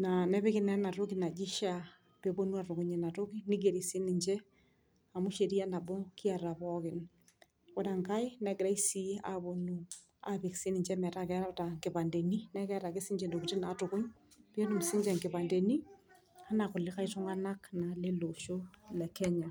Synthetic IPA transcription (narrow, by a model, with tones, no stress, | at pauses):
na˨nɛ˦βɛ˦kɪ˦nɛ˦na˨ɾʊ˦kɪ˨na˨d͡ʒi˦ʃa˨ | pe˨bo˦nu˦a˨tʊ˨kʊ˨˦ɲe˨na˨tʊ˦ki˦nɪ˦ɡe˨ɾi˨sɪ˦nɪ˨ɲd͡ʒɛ˦ | a˨mʊ˦ʃe˨ɾi˦a˦na˨bɔ˦ki˦a˨ɾa˨pɔkɪ˨n | kɔ˦da˨ŋka˦ɪ˦nɛ˦ɡɪ˨ɾa˦isi˦a̰˨bo˨nu˦ | a˨bi˨ksi˦nɪ˨ɲd͡ʒɛ˦mɛ˨ta˦kɛ˦ɾa˦ta˨ŋɡɪ˨pa˨nde˨ni˦nɛ˦kɛ˦ɾa˨kɪ˦sɪ˦ɲd͡ʒɛ˨ndo˨ki˨ti˦na˨tʊ˨kʊ˦ɲpi˦e˦nu˨msɪ˦ɲd͡ʒɛ˨ŋɡɪ˨βa˨nde˨ni˦ | a˦na˨kʊ˨lɪ˦ka˦i˦tʊ˦ŋa˦na˦kna˨le˦lo˨ʃo˦lɛ˨kɛ˦ɲa˨